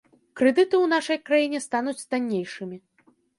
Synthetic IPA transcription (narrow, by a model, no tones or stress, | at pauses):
kɾɛd̪ɨt̪ɨwnaʂɐjkɾajinʲɛst̪anut͡sʲst̪anʲːejʂɨmʲi